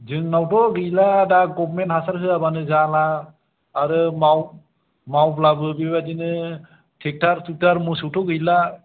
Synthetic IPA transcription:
zɯŋnawtɔɡɯjladaɡɔbɾmenthasaɾɦɯabanɯzalaː | ɾɯmaw | mawplabɯbibadinɯ | tʰɛk̚tʰaɾtɯk̚taɾmusɯwtʰɔɡɯjla

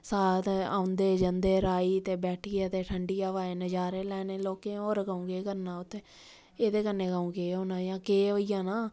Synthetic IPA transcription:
saːt̪a̰ːʊnd̪eːd͡ʒənd̪eːɾaːiːt̪eːbɛːʈʰiːat̪eːʈʰəɳɖiːaːʋaːeːnəd͡ʒaːɾeːlɛːneːloːkẽːoːɾɡaũːɡeːkəɾnaːʊt̪ʰːeː | eːd̪eːkənːeːɡaũːɡeːɦõːnaːjãːkeːʋəɪjãːnaː

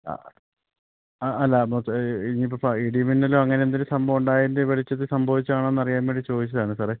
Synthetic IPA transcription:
a̰ | ɐlːɐmoinipːofaiɽiɐminːɐloɐŋːɐneend̪ilesɐmbʱɐʋuɳɖaːjindeʋɐɭit͡ɕːɐðɨsɐmbʱɐʋit͡ɕːɨaːɳenːɐrijaːmbeːɳɖit͡ɕo̞ːd̪it͡ɕːɐðaːɳɨsaːre

